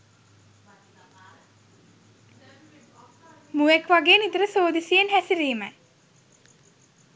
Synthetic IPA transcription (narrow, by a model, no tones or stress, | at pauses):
muʋekʋaɡeːnit̪əɾəsoːd̪isijenɦæsiɾiːmə